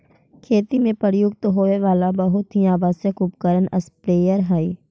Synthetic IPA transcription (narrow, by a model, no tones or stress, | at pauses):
kʰeːt̪imẽpəɾjʊɡt̪ɦoːeʋaːlabəɦʊt̪ɦiaːʋaːsjəkʊpkəɾənɐspɾeːjəɾɦai